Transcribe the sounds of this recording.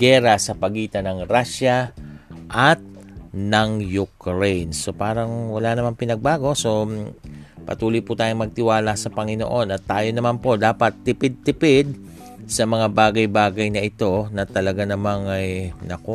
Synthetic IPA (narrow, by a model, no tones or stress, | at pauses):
ɡɛɾɐsɐpɐɡiːt̪ɐnɐŋɾaʃɐ | ʔɐt̪̚nɐŋjʊkɾɛjnso̞paːɾɐŋwɐlanɐmanpɪnɐɡ̚baːɡo̞so̞ | pɐ̰t̪uːlojput̪aːjoŋmɐɡ̚t̪ɪwaːlɐsɐpɐŋɪno̞̰ʔo̞nɐt̪ːaːjo̞nɐmanpo̞d̪aːpɐt̪ːɪpɪd̪̚t̪ɪpɪd̪̚ | sɐmɐŋabaːɡɐjbaːɡɐjnɐʔɪt̪o̞nɐt̪ɐlɐɡanɐmaŋɐjnɐko